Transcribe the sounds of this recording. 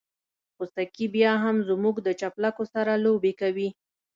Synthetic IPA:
xust̪akibjɑɦamzmuɡd̪ət͡ʃaplakosaɾalobekawi

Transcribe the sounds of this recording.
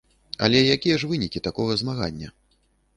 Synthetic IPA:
ɐ̰lʲɛjakʲijɐʐvɨnʲikʲit̪akɔɣɐzmaɣa̰nʲːɐ̰

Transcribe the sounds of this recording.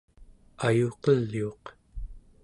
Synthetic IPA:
ajoqʌlːio̞q

